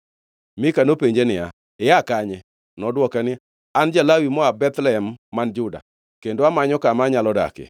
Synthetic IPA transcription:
mɪkanopeɲd͡ʒenɪa̰ | ɪjakaɲɛ | nɔdwɔkanɪ | and͡ʒalawimɔabɛt̪lɛɛmːand͡ʒʊda̰ | kendoamaɲɔkamaɲalɔda̰kɪ̰

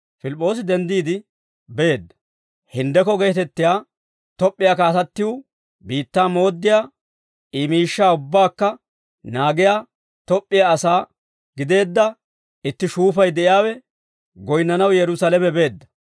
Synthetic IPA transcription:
fɪlɪpʼːo̞ːs̬ɪd̪ɛnd̪iːd̪ɪ | beːd̪ːɐ̥ | hɪnd̪ɛkɔɡeːt̪ɛt̪ːɪjaː | t̪ɔpʼːɪjaːkaːt̪ɐt̪ːɪju | biːt̪ːaːmo̞ːd̪ːɪjaː | imiːʃːaːʊbːaːkːɐ | naːɡɪjaː | t̪ɔpʼːɪjaɐsaː | ɡ̥ɪd̪e̞ːd̪ːɐ | ɪt̪ːɪʃuːfɐjd̪ɛʔɪjaːwɛ | ɡɔjnːɐnɐwjɛɾʊsɐlɛmɛbe̞ːd̪ːɐ̥

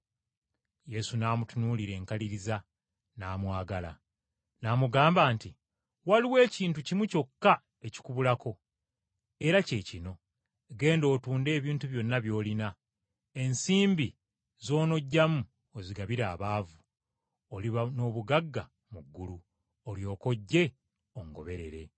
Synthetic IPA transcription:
je̞sunaːmutunuːliɾe̞ːŋkaliɾiza | naːmwaːɡala̰ | naːmuɡaːmbaːnti | waliwe̞ːciːntucimuco̞kːa | e̞ci̥kuβulako̞ | e̞ɾace̞ːcino̞ | ɡe̞ːndo̞ːtuːnde̞ːβiːntuβjo̞nːaβjo̞ːlina | e̞nsiːmbi | zo̞ːno̞ɟːamu | oziɡaβiɾaːβaːvu | oliβano̞ːβuɡaɡːa | muɡːulu | oljo̞ːko̞ɟːe̞ | oŋɡo̞̰βe̞ɾe̞̰ɾe̞̰

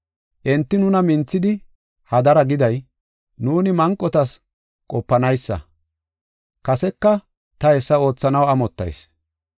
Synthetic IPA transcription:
ʔɛnt̪ːɪnʊnɐmɪnt͡sːɪd̪ɪ | hɐd̪ɐɾɐɡɪd̪ɐj | nuːnɪmɐŋkʼːɔt̪ɐs | kʼɔpːɐnɐjsːɐ̰ | kɐsɛkːɐ | t̪ɐhɛsːɐo̞ːt͡sːɐnɐwɐmɔt̪ːɐ̰js

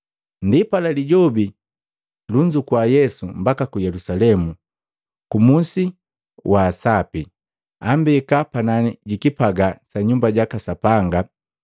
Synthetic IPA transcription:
ndipalaliɟɔbi | luɲd͡ʒukwajɛsumbakakujɛlusalɛmu | kumusi | waːsapi | ambikapananiɟikipaɡasaɲumbaɟakasapaŋɡa

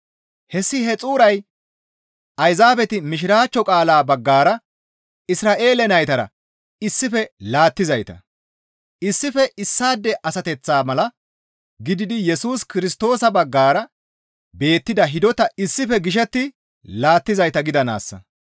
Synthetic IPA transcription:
hɛsːɪɦɛt͡sʼuːɾɐj | ɐjzaːbɛt̪ɪmɪʃ̬ɪɾaːt͡ʃːɔkʼaːlaːbɐɡːaːɾɐ | ɪsɾaːʔe̞ːlɛnɐjt̪ɐɾɐ̰ | ɪsːɪfɛlaːt̪ːɪzɐjt̪ɐ̰ | ɪsːɪfɛʔɪsːaːd̪ːɛʔɐsɐt̪ɛt͡sːaːmɐlɐ | ɡɪd̪ɪd̪ɪjɛsuːskɪɾɪst̪o̞ːsɐbɐɡːaːɾɐ | be̞ːt̪ːɪd̪ɐɦɪd̪ɔt̪ɐɪsːɪfɛɡɪʃ̬ɛt̪ːɪ | laːt̪ːɪzɐjt̪ɐɡɪd̪ɐna̰ːsːɐ̰

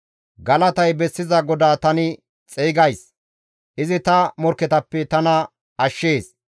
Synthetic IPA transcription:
ɡɐlɐt̪ɐjbɛsːɪzɐɡɔd̪aːt̪ɐnɪ | t͡sʼiːɡɐjs | ʔɪzɪt̪ɐmɔɾkːɛt̪ɐpːɛt̪ɐnɐ | ɐʃːeːs

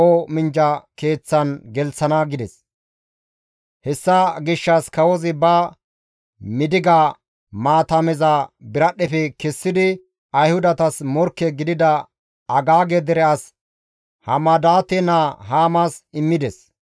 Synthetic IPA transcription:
omɪnd͡ʒɐke̞ːt͡sːɐnɡɛlt͡sːɐnɐɡɪd̪ɛs | hɛsːɐɡɪʃːɐskɐwɔzɪbɐ | mɪd̪ɪɡaː | maːt̪ɐmɛzɐbɪɾɐɗɛfɛkɛsːɪd̪ɪ | ɐjhʊd̪ɐt̪ɐsmɔɾkːɛɡɪd̪ɪd̪ɐ | ɐɡaːɡɛd̪ɛɾɛɐs | hɐmɐd̪aːt̪ɛnaɦaːmasɪmːɪd̪ɛs

